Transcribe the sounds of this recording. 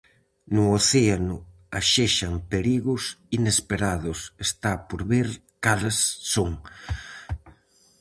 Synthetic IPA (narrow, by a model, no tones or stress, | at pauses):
nʊoθeanʊ | aʃeʃaŋpeɾiɣʊsinespeɾaðʊsest̪apoɾβeɾ | kalasːoŋ